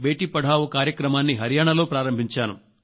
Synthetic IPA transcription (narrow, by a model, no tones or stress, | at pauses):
bʱeːʈiːpɐɽʱaːʋukaːɾjɐkɾɐmaːnːiɦɐɾjaːɳɐlo̞ːpɾaːɾɐmbʱiɲt͡ʃaːnṵ